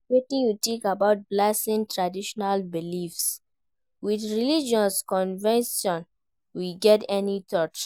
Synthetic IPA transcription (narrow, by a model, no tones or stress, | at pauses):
wetĩnjutikabaʊt̚blasĩntɹadiʃɔnalbilifs | wiθɹilid͡ʒɔ̃nskɔ̃nvɛ̃nsɔ̃n | wiɡɛtɛnitʰɔt͡ʃ